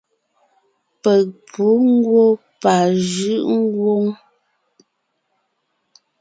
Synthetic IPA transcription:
pɛ˨k̚pʰu˨˦ŋ˦ɡwo˦ | pa˨ʒʉ˦ʔŋ˦ɡwo˦ŋ

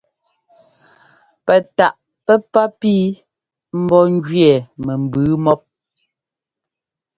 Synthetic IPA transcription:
pɛ˨ta˨ʔ | pɛ˦pa˦piː˦ | m̩˦bɔ˦ŋ˦d͡ʒɥɛ˨mɛ˨m̩˨bʉː˨˦mɔ˦p̚

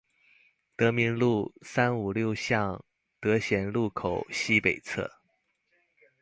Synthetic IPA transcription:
t̪ɤ˧˥mi˧˥nlu˥˩sa˥nu˨˩ljo˥˧ʊɕjɑ˥˩ŋ | t̪ɤ˧˥ɕjɛ˧˥nlu˥˩kʰo˨˩ʊɕi˥pe˨˩ɪt͡sʰɤ̰˥˩

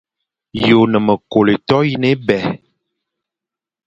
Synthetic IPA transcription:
jo˨nə˨mə˨ko˨le˨tɔ˦ji˦ne˦bɛ˨

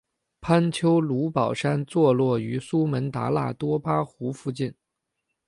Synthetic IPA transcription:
pʰa˥nt͡ɕʰjo˥ʊlu˧˥pɑ˨˩ʊʂa˥nt͡swɔ˥˧lwɔ˥˩y˧˥su˥mə˧˥nt̪a̰˧˥la̰˥˩t̪wɔ˥pa˥xu˧˥fu˥˧t͡ɕi˥˩n

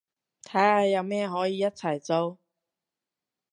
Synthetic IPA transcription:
t̪ʰaː˥a˨jɐ˨˧wmɛː˥ɦɔː˨˥jiː˨˧jɐ˥t̚t͡sʰɐ˨˩jt͡so˧w

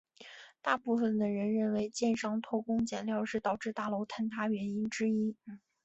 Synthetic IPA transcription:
t̪a˥˧pu˥˩fə˨˩nd̪ə˩ɻə˧˥nɻə˥˩nwe˧˥ɪt͡ɕjɛ˥˧nʂɑ˥ŋt̪ʰwɔ˥˩ʊkʊ˥ŋt͡ɕjɛ˨˩nljɑ˥˧ʊʂɻ̩˥˧t̪ɑ˨˩ʊʈ͡ʂɻ̩˥˧t̪a˥˩lo˧˥ʊt̪ʰa˥nt̪ʰa˥ɥɛ˧˥ni˥nʈ͡ʂɻ̩˥i˥

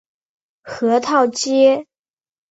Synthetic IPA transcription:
xɤ˧˥t̪ʰɑ˥˩ʊt͡ɕjɛ˥

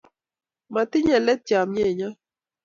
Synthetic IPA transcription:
ma˨tɪ˦ɲɛ˨lɛ˦tja˨mɲe˦˨ɲa˦

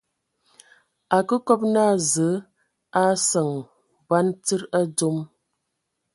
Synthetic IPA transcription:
a˨kə˦kɔ˦p̚na˦˨zə˨˦ | a˦sə˨ŋ | ba˦nt͡sə˦ɾa˦d͡zo˦m

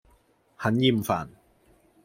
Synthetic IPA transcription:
hɐ˨˥njiː˧˩mfaː˨˩n

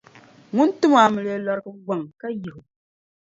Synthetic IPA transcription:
ŋʊ˦n˦tu˦ma˨mɨ˨le˦la˦ɾkɨ˦ɡʷa˨ŋka˦ji˨hu˨

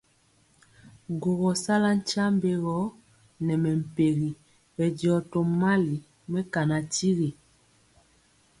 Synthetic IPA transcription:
ɡo˨ɣɔ˨sa˦la˦n̩˦t͡ʃa˦mbe˦ɣɔ˨˦ | nɛ˨mɛ˨m̩˨pe˨ɣi˨ | bɛ˨djɔ˨tɔ˨ma˦li˨ | mɛ˦ka˨na˨ti˦ɣi˨

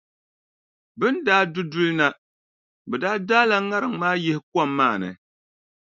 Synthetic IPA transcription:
bɨ˦ndaː˦dʊ˦dʊ˦lɨ˦na˦ | bɛ˨daː˦daː˦la˨ŋa˦ɾɨ˨ŋmaː˦jɛ˦hɪ˦kɔa˦mːaː˦˨nɨ̰˨

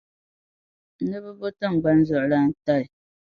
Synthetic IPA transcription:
nɨ˦bɨ˦bo˦tɨ˦˨ŋ̩˨ɡ͡ba˦n˦zɔ˨ʔla˦n˦ta˦l

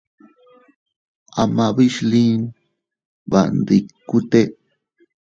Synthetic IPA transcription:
a˧mã˧βi˦ʃlĩ˦n | βa̰˨nd̪i˧ku˦t̪e˦

